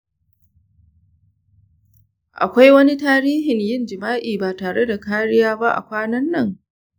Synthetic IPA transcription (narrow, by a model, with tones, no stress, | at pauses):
ʔa̰˨kʷa˦jwɐ˦ni˦taː˦ɾiː˦ɦɪ˨ɲjɪ˦nd͡ʒɪ˨maː˦ʔiː˨baː˨taː˨ɽe˦da˨kaː˦ɽɪ˦jaː˦ba˦ʔa̰˨kʷaː˦nɐ˦nːɐ˦˨ŋ